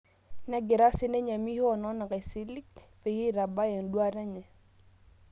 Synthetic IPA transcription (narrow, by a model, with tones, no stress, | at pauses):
nɛ˦ɡɪ˨ɾa˦sɪ˦nɛ˦ɲa˨mi˦hɔ˦˨nɔ˦na˨kɛ˨si˦li˦k̚pɛ˨ji˦˨ɾa˨ba˦jɛ˨n˨dwa˦ɾɛ˦ɲɛ˨